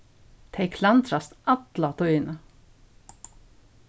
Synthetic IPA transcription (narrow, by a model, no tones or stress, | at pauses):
t̪ʰeɪkʰlant̪ɾast̪at̪lat̪ʰœʏɪnə